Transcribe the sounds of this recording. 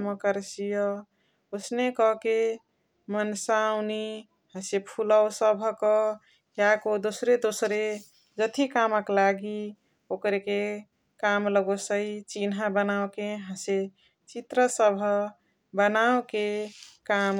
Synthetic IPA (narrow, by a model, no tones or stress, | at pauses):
məkəɾsijɔ | osnekɔke | mənsaʊni | hə̃sepʰuləwsəbʱkɔ | jakod̪osɾed̪osɾe | d͡ʒət̪ʰikaməklaɡi | okɾeke | kamləɡosəit͡ʃinɦabənawkeɦə̃se | t͡ʃit̪ɾəsəbʱə | bənawkekam